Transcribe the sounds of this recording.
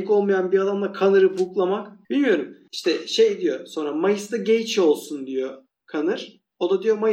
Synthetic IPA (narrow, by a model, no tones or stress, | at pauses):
ko̞lˠmajanbiad̪amlˠakʰanɯɾɯphuklˠamakb̥ilʲmijo̞ɾumiʃt̪ʰɛʃe̞jed̪ijo̞so̞nɾamajɯsd̪aɟejt͡ʃʰo̞lˠsund̪ijo̞ | kʰanɯɾ̥ | o̞d̪ad̪ijo̞maj